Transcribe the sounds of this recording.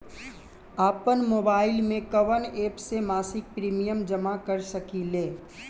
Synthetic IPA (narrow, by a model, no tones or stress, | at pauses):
aːpənmoːbaːɪlmẽkɐʋəneːpsemaːsɪk̚pɾiːmijəmd͡ʒɐmakəɾsɐkileː